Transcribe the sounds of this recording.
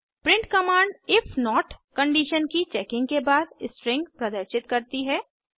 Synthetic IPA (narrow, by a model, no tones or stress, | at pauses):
pɾɪ̃ɳʈkɐmãːɳɖɪfʰnɔːʈkɐ̃ɳɖiːʃənkit͡ʃɛːkɪ̃ŋɡkebaːd̪ɪsʈɾɪ̃ŋɡpɾɐd̪əɾʃɪt̪kɐɾt̪iɦɛː